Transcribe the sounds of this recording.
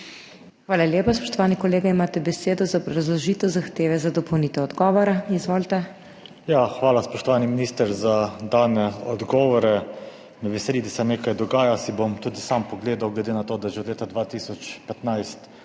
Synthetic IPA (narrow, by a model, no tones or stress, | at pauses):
xʋaːlalʲjeːpaspɔ̥ʃt̪ɔʋaːnikɔleːɡaimaːt̪ɛbɛseːd̪ɔzabɾɾazlɔʒiːt̪ɛwzaxt̪eːʋɛzad̪ɔpɔwnit̪ɛɔd̪ɡɔːʋɔɾaizʋoːlt̪ɛ | jaxʋaːlaspɔʃt̪ɔʋaːniminist̪əɾzad̪aːnɛɔd̪ɡɔːʋɔɾɛ | nɛʋɛsɛlid̪asɛneːkajd̪ɔɡaːjasibomt̪uːd̪isampɔɡleːd̪awɡlɛd̪enat̪oːd̪aʒɛɔd̪leːt̪ad̪ʋaːt̪isɔt͡ʃpɛt̪najst̪